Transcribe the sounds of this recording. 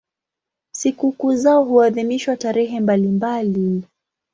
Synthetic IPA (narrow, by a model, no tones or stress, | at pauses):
sikukuzaɔɦuaðimiʃwataɾɛɦɛmbalimbali